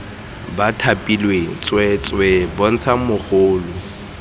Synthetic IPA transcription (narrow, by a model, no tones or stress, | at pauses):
batʰapʼilwet͡sʼwɛt͡sʼwebon̩t͡sʰamʊχoːlʊ